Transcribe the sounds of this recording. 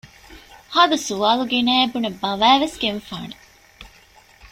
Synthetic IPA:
haːd̪ɐsuʋaːluɡenæːebunebɐʋæːʋesɡeɱfaːne

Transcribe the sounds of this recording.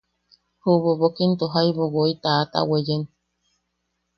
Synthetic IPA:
huβoβokint̪oɦaiβoɣoit̪aːt̪a̰wejen

